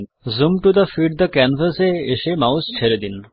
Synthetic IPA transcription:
zumʈud̪əfiɖ̚d̪əkɛnvəseeʃemawst͡ʃʰeɾed̪in

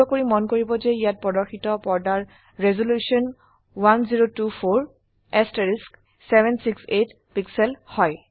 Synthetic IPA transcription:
ɔkoɹimɔnkoɹibɔzɛijat̚pɹɔdɔɹxitɔpɔɹdaɹ | ɹɛzolusiɔn | wanziɹotupʰoɹ | ɛstaɹisk | sɛbʱɛnsikset | piksɛlhɔj

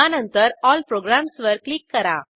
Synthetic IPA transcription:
anənt̪əɾɔlpɾoɡɾamsʋəɾklikːəɾa̰

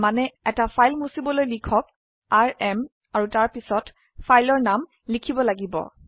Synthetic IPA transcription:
manɛɛtapʰajlmusibɔlojlikʰɔk | aɹɛm | aɹutaɹpisɔt | fʰajlɔɹnam | likʰibɔlaɡibɔ̰

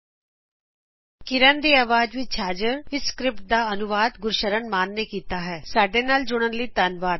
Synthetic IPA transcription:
kɪɾənd̪iːaːʋaːd͡ʒʋit͡ʃʰaːd͡ʒəɾɪskɾɪp̚ʈ̚d̪aːənʊʋaːd̪ɡʊɾʃəɾənmaːnːeːkiːt̪aːɦɛːsaːɖeːnaːld͡ʒʊɽ̃ənləiːt̪ənʋaːɾ

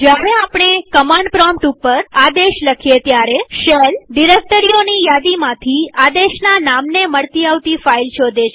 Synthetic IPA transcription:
d͡ʒjaɾeapɳ̃ekəmãɳɖpɾɔmpʈupːəɾad̪eʃləkʰijet̪jaɾeʃəlɖiɾek̚ʈəɾionijad̪imãt̪ʰiad̪eʃnanamneməɭt̪iaʋt̪ifailt͡ʃʰod̪eʃ

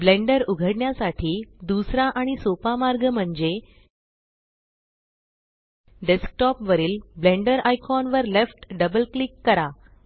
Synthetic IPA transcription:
blẽɳɖəɾuɡʱəɽɳjasaʈʰiːd̪usɾaʔaɽ̃isopamaɾɡm̤əɳd͡ze | ɖesk̚ʈɔpʋəɾiːlblẽɳɖəɾajkʰɔnʋəɾlefʈɖəbəlklikːəɾa

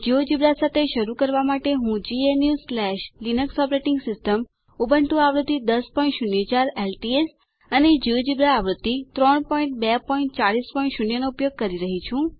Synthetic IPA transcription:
d͡ʒiod͡ʒibɾasat̪ʰeʃəɾukəɾʋamaʈeɦũd͡ʒienjuzflɛʃlinəksɔpɾeʈɪŋɡsɪsʈəm | ubəɳʈũaʋɾəd̪ːid̪əspɔĩɳʈʃunjət͡ʃaɾelʈies | əned͡ʒiʋod͡ʒibɾaːʋɾəd̪ːit̪ɾɔɳpɔĩɳʈ̚bɛpɔiɳʈt͡ʃaɭispɔĩɳʈʃunjənoupjoɡ̚kəɾiɾəɦit͡ʃʰũ

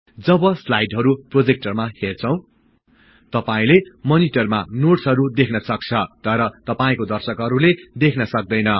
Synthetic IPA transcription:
d͡zʌbʌslajɖɦʌɾuprod͡zek̚ʈʌrmahert͡sʰʌ̃w̃ | t̪ʌpaĩlemʌniʈʌrma̰noʈsɦʌɾud̪ekʰnʌsʌk̚t͡sʰʌt̪ʌɾʌt̪ʌpaĩkod̪ʌrsʌkɦʌɾuled̪ekʰnʌsʌk̚d̪ʌjnʌ

